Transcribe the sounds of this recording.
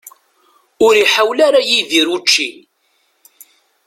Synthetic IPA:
ʊɾiħawlaɾajiðiɾut͡ʃːi

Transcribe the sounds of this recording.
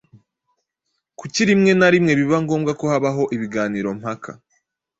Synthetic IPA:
kuciɾimŋe̞naɾimŋe̞βiβaŋɡo̞ːmɡako̞haβaɦo̞ʔiβiɡaːniːɾo̞m̥hakʰa̰

